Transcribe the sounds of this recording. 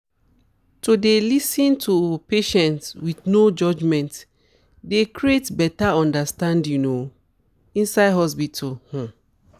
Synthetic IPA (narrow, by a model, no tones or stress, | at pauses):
todelisĩntʰupeʃɛ̃ntswiθnod͡ʒɔd͡ʒmɛ̃nt | dekɹietbɛtaɔ̃ndastãndjuno | ĩnsaɪdɦɔspitʰulhɔ̃